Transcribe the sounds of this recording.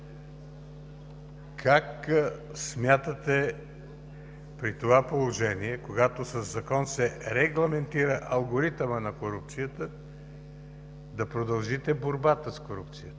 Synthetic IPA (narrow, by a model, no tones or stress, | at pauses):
kʰaksmʲjat̪ət̪ɛ | pɾit̪ovapolˠoʒɛniɛkoɡat̪osɐzːɐkɔnsɛɾɛɡlˠɐmɛnt̪iɾəʔɐlˠɡoɾit̪əmənɐkoɾup̚t̪sijət̪ə | d̪ɐpɾod̪ɐlˠʒit̪ɛboɾbat̪əskoɾup̚t̪sijət̪ə̥